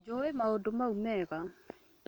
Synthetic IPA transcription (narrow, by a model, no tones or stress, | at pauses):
d͡ʒɔemaodomaumɛɣa